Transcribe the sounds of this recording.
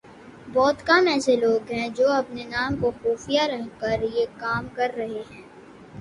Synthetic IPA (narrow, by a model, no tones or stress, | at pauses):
bɔːt̪kaːmɛːseloːɡɦɛ̃d͡ʒoːɐpnenaːmkoxuːfijaɾɐɦkɐɾjekaːmkɐɾːɐɦeɦɛ̃ː